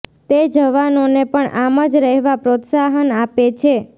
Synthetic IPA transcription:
t̪ed͡ʒəʋanonepəɳaməd͡ʒɾəɦʋapɾot̪saɦənapet͡ʃʰe

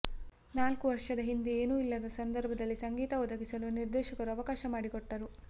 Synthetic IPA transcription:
naːlkuʋɐɾʂɐd̪ɐɦind̪ieːnuːilːɐd̪ɐsɐnd̪ɐɾbʱɐd̪ɐlːisɐŋɡiːt̪ɐɔd̪ɐɡisɐluniɾd̪ɛːʃɐkɐɾuɐʋɐkaːʃɐmaːɽikɔʈːɐɾu

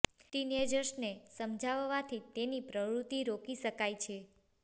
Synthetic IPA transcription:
t̪ined͡ʒəɾʃnesəmd͡ʒʱaʋːat̪ʰit̪enipɾəʋɾut̪iɾokiʃəkajt͡ʃʰe

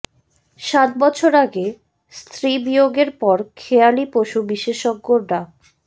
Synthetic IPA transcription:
ʃat̪̚bɔt͡ɕʰoɾaɡe | st̪ʰɾibioɡeɾpɔɾkʰealipoʃubiʃeʃoɡ̚ːoɖa

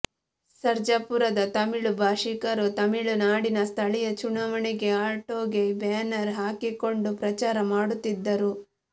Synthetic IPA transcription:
sɐɾd͡ʒɐpuɾɐd̪ɐt̪ɐmiɭubʱaːʂikɐɾut̪ɐmiɭunaːɽinɐst̪ʰɐɭijɐt͡ʃuɳɐʋɐɳiɡe̞aːʈoːɡebeːnɐɾɦaːkiko̞ɳɖupɾɐt͡ʃaːɾɐmaːɽut̪ːid̪ːɐɾu

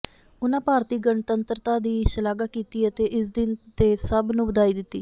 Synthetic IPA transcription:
ʊnãːpaːɾt̪iːɡəɳt̪ənt̪ɾt̪aːd̪iːʃəlaːɡaːkiːt̪iːət̪eːʔɪs̬d̪ɪnt̪eːsəbnũːbəd̪aːiːd̪ɪt̪ːiː

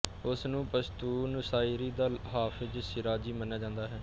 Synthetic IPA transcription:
ʊsnũːpəst̪uːnʊsaːiɾiːd̪aːɦaːfʰɪzsɪɾaːd͡ʒiːmənaːd͡ʒãːnd̪aːɦɛː

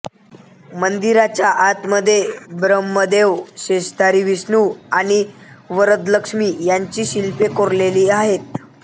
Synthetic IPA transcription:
mənd̪iɾat͡ɕjaʔat̪məd̪ʱːjebɾəmːəd̪eʋɕeɕd̪aɾiːʋisɳuːaɽ̃iʋəɾət̪ləkʂmiːjaɲt͡ɕiːɕilpekoɾleliːaɦet̪̚

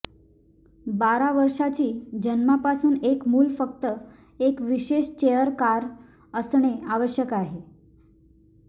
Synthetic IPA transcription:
baɾaʋəɾʂat͡ɕiːd͡ʑənmapasuːnekmuːlfək̚t̪ə | ekʋiɕeɕt͡ɕejəɾkaɾ | əsɳeaʋəɕjəkaɦe

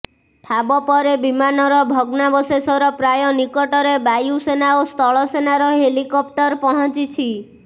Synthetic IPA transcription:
ʈʰabɔpɔɾebimanɔɾɔbʱɔɡnabɔsesɔɾɔpɾajɔnikɔʈɔɾebajusenaost̪ʰɔɭɔsenaɾɔɦelikɔp̚ʈɔɾpɔɦɔt͡ʃit͡ʃʰi

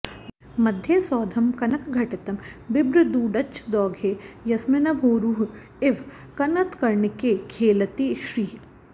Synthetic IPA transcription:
mɐd̪ʱjesɔːd̪ʱɐmkɐnɐkɡʱɐʈɪt̪ɐmbɪbɾɪd̪uːɖɐt͡ʃʰd̪ɔːɡʱeːjɐsmɪnɐbʱoːɾuːɦ | ɪʋ | kɐnɐt̪kɐɾɳɪkekʰeːlɐt̪iʃɾiː

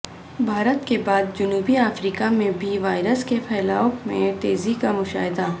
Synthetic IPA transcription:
bʱaːɾət̪kebaːd̪̚d͡ʒʊnuːbiaːfɾiːkamẽbʱiʋaːɪɾəskepʰɛːlaːʊkmḛ̃t̪eːzikamʊʃa̰ːɦɪd̪a

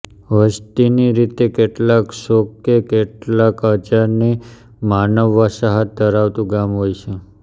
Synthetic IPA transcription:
ʋəst̪iniɾit̪ekeʈlakʃokːekeʈlakəd͡ʒaɾni | manəʋːəsaɦət̪̚d̪ʱəɾaʋt̪ũɡamɦojt͡ʃʰe

